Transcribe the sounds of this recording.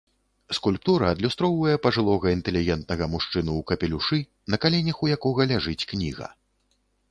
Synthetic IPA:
skulʲp̚t̪uɾɐːd̪lʲust̪ɾɔwvɐjɛpɐʐɨlˠɔɣɐint̪ɛlʲiɣʲɛnt̪̚nɐɣɐmuʂt͡ʂɨnuːkɐpʲɛlʲuʂɨ | nɐkalʲɛnʲɐxujakɔɣɐlʲaʐɨt͡sʲknʲḭɣɐ̰

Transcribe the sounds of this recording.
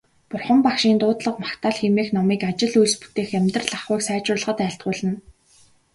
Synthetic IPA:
pʊrχə̆mpakʃiːnt̪ʊːt̪ɮə̆qmakt̪ʰaːɮxemeːxnɔmiːkat͡ɕɪ̆ɮujɮspu̥t̪eːxæmʲt̪ə̆rɮaχʊːksæːt͡ɕʊːɮə̆χə̆t̪æːɬt̪̚ɢʊːɮə̆n

